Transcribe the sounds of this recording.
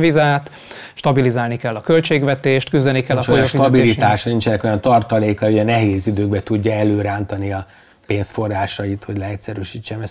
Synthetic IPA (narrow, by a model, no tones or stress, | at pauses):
vizaːt̪ | ʃt̪ɒbilizaːlnikɛlːɒkø̞lt͡ʃeːɡʋɛt̪eːʃt̪kyzd̪ɛnikɛlːɒojoʃt̪ɒbilit̪aːʃnint͡ʃɛnɛko̞jɒnt̪ɒrt̪ɒleːkɒɦojɛnɛɦeːzid̪øːɡ̚bɛt̪uɟːɒɛløːɾaːnt̪ɒniɒ | peːnsfo̞rːaːʃɒit̪ho̞ɟlɛɛtʲsɛɾyʃiːt͡ʃːɛmɛs